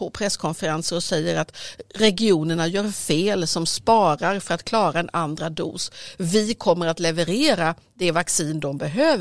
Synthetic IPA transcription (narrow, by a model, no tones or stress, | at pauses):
ɔpʰɾɛskʰɔnfəɾansəɾɔsɛjːəɾat̪ɾɛɡɪuːnəɳajœːɾfeːlsɔmspɑːɾaɾfœɾat̪kʰlɑːɾaɛnʔand̪ɾad̪ṵːsvɪkʰɔmːəɾat̪lɛvəɾeːɾad̪ɛvaksiːnd̪ɔmbɛɦøːv